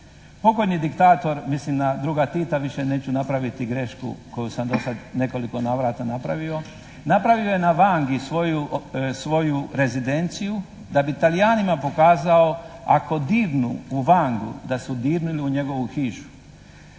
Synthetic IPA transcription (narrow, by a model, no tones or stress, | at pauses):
po̞ɡodɲid̪ikt̪aːt̪o̞ɾmislimd̪ad̪ɾuɡat̪it̪aʋiʃe̞ne̞ːt͡ɕunapɾaʋit̪iɡɾe̞ʃkṵko̞jusamd̪o̞sad̪ne̞ko̞liko̞naʋɾaːt̪anapɾaʋio̞ | napɾaʋiojenaʋaːŋɡisʋojusʋo̞juɾe̞zid̪e̞nt̪siju | d̪abit̪alijaːnimapo̞kaːzaoa̰ko̞d̪iːɾnṵːʋaːŋɡṵd̪asud̪iːɾniliuɲe̞ɡo̞ʋuxiːʃu̥